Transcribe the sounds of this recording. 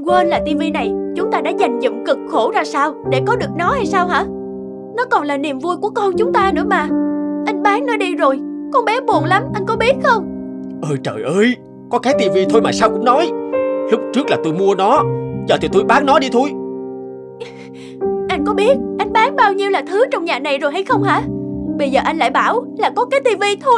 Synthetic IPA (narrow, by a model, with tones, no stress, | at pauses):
ɣwəː˧nlaː˨˩t̪i˧vi˧na˨˩jt͡ɕʊ˨˦ŋ͡mt̪aː˧ɗa̰ː˧˥za˨˩jŋ̟zɨ̰˧˨ŋ͡mkɨ˨˩k̚xo˧˩zaː˧saː˧wɗe˧˩kɔ˨˦ɗɨ˨˩ək̚nɔ˨˦ha˧jsaː˧wɦa̰ː˧˥ | nɔ˨˦kɔ˨˩nlaː˨˩ni˨˩əmvu˧jku˧˩əkɔ˧nt͡ɕʊ˨˦ŋ͡mt̪aː˧nɨ̰˧˥əmaː˨˩ʔa˨˦jŋ̟ɓaː˨˦ŋnɔ˨˦ɗi˧zo˨˩jkɔ˧nɓɛ˨˦ɓo˨˩ənla˨˦mʔa˧jŋ̟kɔ˨˦ɓi˦˥ət̚xə˧wŋ͡m | ʔəː˧jt͡ɕə̰ː˧˨˩jʔəː˧j | kɔ˨˦kaː˨˦jt̪i˧vi˧t̪ʰo˧jmaː˨˩saː˧wkʊ̰˧˥ŋ͡mnɔ˨˦jhɨ˦˥k͡p̚t͡ɕɨ˦˥ək̚laː˨˩t̪o˧jmu˧ənɔ˨˦t͡ɕəː˨˩t̪i˨˩t̪u˧jɓaː˨˦ŋnɔ˨˦ɗi˧t̪ʰo˧j | ʔa˧jŋ̟kɔ˨˦ɓi˦˥ət̚ʔa˧jŋ̟ɓaː˨˦ŋɓaː˧wɲi˧əwlaː˨˩t̪ʰɨ˨˦t͡ɕɔ˧wŋ͡mɲaː˨˩na˨˩jzo˨˩jɦa˧jxə˧wŋ͡mha̰ː˧˥ɓə˧jzəː˨˩ʔa˧jŋla̰ː˧˨jɓaː˧˩wlaː˨˩kɔ˨˦kaː˨˦jt̪i˧vi˧t̪ʰo˧j